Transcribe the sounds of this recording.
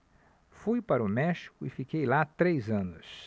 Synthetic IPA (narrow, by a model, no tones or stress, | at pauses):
fujpaɾʊmɛʃi̥kʊɪfikejlat̪ɾejzɐ̃nʊs